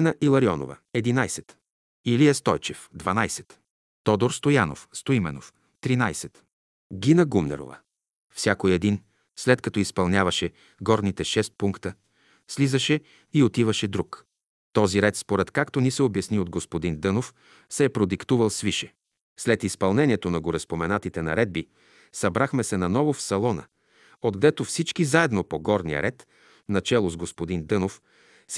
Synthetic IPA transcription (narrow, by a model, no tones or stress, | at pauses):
ɛnɐʔilˠɐɾiɔno̰və̰ɛd̪inajsɛt̪ | iliɛst̪ɔjt͡ʃɛfd̪vɐnajsɛ̥t̪ | t̪ɔd̪oɾst̪ojano̰fst̪oimɛno̰f | t̪ɾinajsɛt̪ | ɡʲinəɡumnɛ̰ɾo̰və̰ | fsʲjakoiɛd̪in | slɛt̪kɐt̪ɔispɐlˠnʲavɐʃɛ | ɡɔɾnit̪ɛʃɛst̪̚puŋkt̪ə | slizɐʃɛ | iot̪ivəʃɛd̪ɾuk | t̪ɔziɾɛt̪spoɾɛt̪kakt̪onisɛobjɐsniod̪ɡospod̪ind̪ɤnof | sɛːpɾod̪ikt̪uvəlˠsviʃɛ | slɛt̪ispɐlˠnɛniɛt̪onɐɡoɾɛspomɛnat̪it̪ɛnɐ̰ɾɛd̪̚bi | sɐbɾaxmɛsɛnɐnɔvofsɐlˠɔnə̰ | od̪ɡd̪ɛt̪ofsit͡ʃkizaɛd̪nopoɡɔɾniə̰ɾɛt̪ | nɐt͡ʃɛlˠozɡospod̪ind̪ɤnof | s